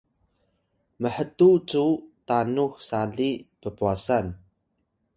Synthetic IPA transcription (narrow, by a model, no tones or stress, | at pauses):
məħətut͡sutanuxsaɮipəpuasan